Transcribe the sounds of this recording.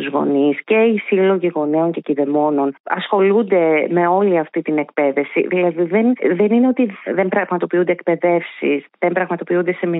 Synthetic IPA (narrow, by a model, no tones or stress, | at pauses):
uzɣo̞̰nisce̞isilo̞ʝiɣo̞neo̞ɲce̞ciðe̞mo̞no̞nɐ̰sxo̞lund̪e̞me̞o̞liɐft̪it̪ine̞kpe̞ðe̞fsḭðilɐðiðe̞nðe̞nine̞o̞t̪iðembɾɐɣmɐt̪o̞piund̪ekpe̞ðe̞fsḭsðembɾɐɣmɐt̪o̞piund̪e̞se̞mi